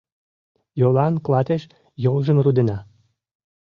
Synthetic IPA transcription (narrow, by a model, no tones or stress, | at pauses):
jolɑnklɑt̪eʃ | jolʒəmrud̪enɑ